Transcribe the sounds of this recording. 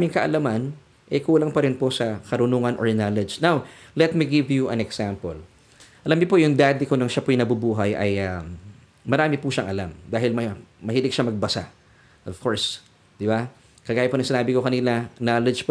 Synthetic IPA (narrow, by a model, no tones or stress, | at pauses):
amɪŋkɐʔɐlɐman | ʔɛkuːlɐŋpɐɾɪnpo̞sɐkɐɾʊnuːŋɐnʔɔ̰ɹnalɛd͡ʒnawlɛt̪̚miɡɪvjuʔɐ̰nɛksampɛl | ʔɐlamɲopojʊŋd̪ad̪ɪko̞nɐŋʃapojnɐbubuːɦɐjʔɐ̰jamː | ɐɾaːmɪpuʃɐŋʔɐlamd̪aːɦɪlmɐmɐhiːlɪk̚ʃamɐɡ̚bɐsa̰ | ʔov̥koɹs | d̪̥ɪba | kɐɡaːjopoɐŋsɪnaːbɪko̞kɐnilɐnaːlɛd͡ʒp